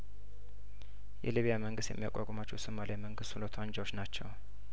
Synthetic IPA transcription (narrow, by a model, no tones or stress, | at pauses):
jɛ̰liβijaməŋɡɨst̪jɛ̰mːija̰kʷʼakʼomat͡ʃːɛwsɨmːalʔajməŋɡɨst̪ulot̪ʰand͡ʒɛwot͡ʃːnat͡ʃːɛw